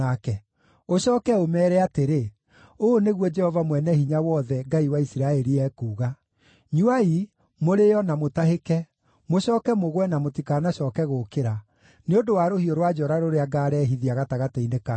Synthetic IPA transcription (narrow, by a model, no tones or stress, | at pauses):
akɛ | oɕɔːkɛomɛːɾɛateɾe | oneɣwɔd͡ʒɛhɔvamwɛnɛhiɲawɔðɛŋɡaiwaisiɾaɛɾiɛkuːɣa | ɲuai | moɾejɔnamotaɦekɛ | moɕɔːkɛmoɣwɛnamotikanaɕɔːkɛɣokeɾa | neondowaɾohioɾwad͡ʒɔɾaɾoɾeaɡaːɾɛːɦiðiaɣataɣataineka